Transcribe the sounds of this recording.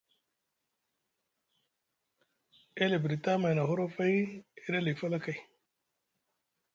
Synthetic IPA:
e˦le˨bɾi˨ta˦ma˨jna˨ɦo˦ɾo˦fa˦i˦e˦da˦li˨fa˦la˦ka˨i˨

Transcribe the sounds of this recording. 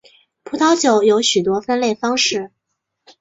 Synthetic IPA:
pʰu˧˥t̪ʰɑ˥ʊt͡ɕjo˨˩˦ʊjo˧˥ʊɕy˨˩t̪̬wɔ˥fa˥nle˥˩ɪfɑ˥ŋʂɻ̩˥˩

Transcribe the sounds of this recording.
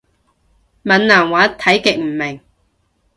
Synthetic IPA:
mɐ˨nnaː˨˩ŋwaː˨˦˥t̪ʰɐ˨˥jkɪ˨k̚m̩˨˩mɪ˨˩ŋ

